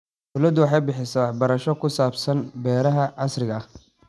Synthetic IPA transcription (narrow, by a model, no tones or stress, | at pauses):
bʊlɐd̪ʊwɑħɑjbɪħɪsɐwɑħbɐɾɐʃɔkʰʊsaːbsɐnbɛːɾɐɦɐʕɑsrɪɣɐɐh